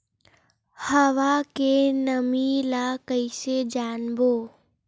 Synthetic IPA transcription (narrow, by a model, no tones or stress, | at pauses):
həʋakenəmilakəɪsed͡ʒaːnboː